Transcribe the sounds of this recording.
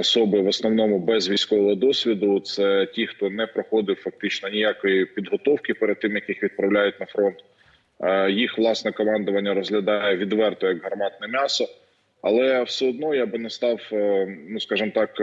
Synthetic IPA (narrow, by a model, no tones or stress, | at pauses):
ɔsɔbɪʋɔsnɔwnɔmʊbɛzʋʲijsʲkɔʋɔɦɔd̪ɔsʲʋʲid̪ʊt̪sɛtʲixt̪ɔnɛpɾɔxɔd̪ɪwfɐk̚t̪ɪt͡ʃnɔnʲijakɔjipʲid̪ɦɔt̪ɔwkɪpɛɾed̪̚t̪ːɪmjɐkixʋʲid̪̚pɾɐwlʲajʊt̚ʲnɐfɾɔnt̪ː | jixʋlˠɑsnɛkɔmɑnd̪ʊʋɐnʲːɐɾɔzɦlʲɐd̪ɑjɛʋʲid̪ʋɛrt̪ɔjɐɡɦɐrmɑt̪nɛmʲɑsɔ | ɐ̰lˠɛwsʲɛɔd̪nɔjɑbɪnɛst̪ɑwnuskɑʒɨmt̪ɑk